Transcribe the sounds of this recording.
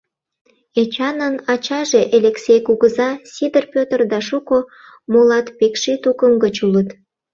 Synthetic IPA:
et͡ɕɑnənɑt͡ɕɑʒeʔeleksʲejkuɣəzɑsʲid̪ərpʲøt̪ərd̪ɑʃuko | molɑt̪pekʃit̪ukəmɡət͡ɕulət̪

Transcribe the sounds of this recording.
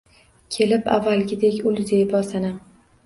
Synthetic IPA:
kʲʰe̞lɪpa̰vːalɡʲɪd̪ekʲʊlzejbɒsɪnɪ

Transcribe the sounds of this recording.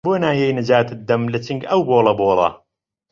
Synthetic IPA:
boːnaːjejnɨd͡ʒaːt̪ɨd̪ːɐmlɐt͡ʃɨŋɡɐwboːlˠɐboːlˠɐ̰

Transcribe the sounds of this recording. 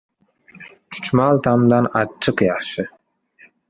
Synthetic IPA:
t͡ʃʰʊ̥t͡ʃmalˠt̪ʰamd̪anɑːɨqjɑχʃɪ

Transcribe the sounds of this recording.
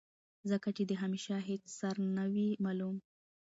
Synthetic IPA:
zəkat͡ʃed̪əɦameʃaɦet͡ssaɾnawimalum

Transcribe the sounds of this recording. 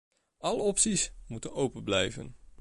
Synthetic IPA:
ʔɑləɔpsismutənowpəblɛjvə̰n

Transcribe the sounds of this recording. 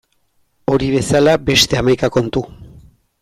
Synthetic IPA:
o̞ɾiβ̞e̞salabe̞st̪e̞amajkako̞nt̪u

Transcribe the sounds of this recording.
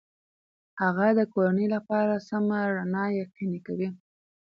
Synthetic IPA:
haɣad̪əkoɾanəjlapɑɾasamaɾanɑjaqinekawi

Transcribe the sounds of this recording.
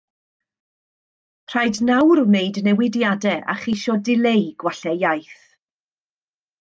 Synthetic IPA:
pʰr̥ajdnawɾmejdnɛwɪdjadɛʔa̰χiʃɔdɪlejɡ̥waɬɛjajθ

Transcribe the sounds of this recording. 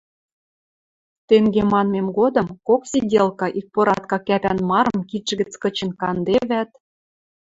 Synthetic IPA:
t̪eŋɡemɑnmemɡod̪ɤ̆mkoksidʲelkɑʔik̚poɾɑt̪̚kɑkæpænmɑɾɤ̆mkit̪ʒə̆ɡɘ̆t͡skɤ̆t͡ɕə̆nkɑnd̪eβæt̪̚

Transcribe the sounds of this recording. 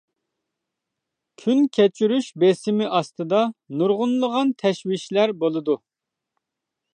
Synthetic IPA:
kʲʰynkʲʰɛt͡ʃʰyɾyʃbesɪmɪʔɑst̪ɨd̪ɑnuɾʁʊnlˠəʁɑnt̪ʰɛʃwɪʃlæɾbolˠɨd̪u

